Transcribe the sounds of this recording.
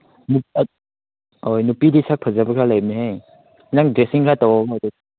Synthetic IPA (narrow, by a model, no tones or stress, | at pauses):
nu | ojnupidisak̚pʰəzabakʰɾalajm̚neɦaj | naŋdɾesiŋkʰɾatawaɡdu